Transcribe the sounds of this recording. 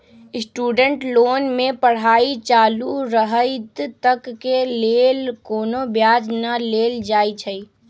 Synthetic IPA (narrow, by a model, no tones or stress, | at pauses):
ɪsʈuːɖəɳʈloːnmẽpəɽ̤aːit͡ʃaːluɾəɦəɪt̪t̪əkːeleːlkoːnobjaːd͡ʒnəleːld͡ʒaːit͡ʃʰəi